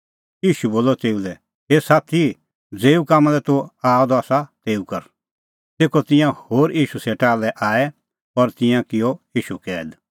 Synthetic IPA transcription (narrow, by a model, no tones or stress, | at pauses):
iːʃuboːlɔt̪eːulɛ | esaːt̪ʰi | d͡zeːukaːmãlɛt̪uaːɔd̪ɔaːsat̪eːukɐɾ | t̪eːkɔt̪ɪ̃jãhoːɾiːʃusɛʈaːlɛʔaːɛ | ɔɾt̪ɪ̃jãkɪjɔiːʃukɛːd̪